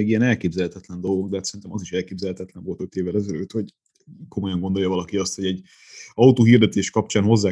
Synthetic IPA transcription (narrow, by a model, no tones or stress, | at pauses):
eːɡijɛnɛlkeːbzɛlhɛt̪ɛt̪lɛnd̪o̞lɡoɡd̪ɛɦat̪sɛɾint̪ɛmɒziʃɛlkeːbzɛlhɛt̪ɛt̪lɛɱvo̞lt̪øt̪eːvːɛlɛzɛløːt̪ho̞ɟ | ko̞mo̞jɒŋɡo̞nd̪o̞ljɒvɒlɒkiɒst̪ho̞ɟɛɟ | ɒwt̪oːɦird̪ɛt̪eːʃkɒp̚t͡ʃaːnho̞zːaː